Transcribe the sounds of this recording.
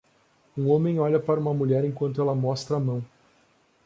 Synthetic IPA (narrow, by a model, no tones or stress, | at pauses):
ũõmẽj̃ɔʎɐpaɾɐũmɐmuʎɛɾẽkwɐ̃nt̪ʊɛlɐmɔst̪ɾɐamɐ̃w̃